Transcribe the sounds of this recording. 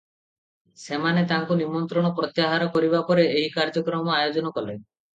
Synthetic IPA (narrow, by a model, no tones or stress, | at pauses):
semanet̪aŋkunimɔnt̪ɾɔɽ̃ɔpɾɔt̪jaɦaɾɔkɔɾibapɔɾeeɦikaɾd͡ʒɔkɾɔmɔajod͡ʒɔnɔkɔle